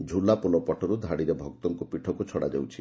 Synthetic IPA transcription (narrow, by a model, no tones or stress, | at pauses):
d͡ʒʱulapulɔpɔʈɔɾud̪ʱaɽiɾebʱɔk̚t̪ɔŋkupiʈʰɔkut͡ʃʰɔɽad͡ʒḛwt͡ʃʰi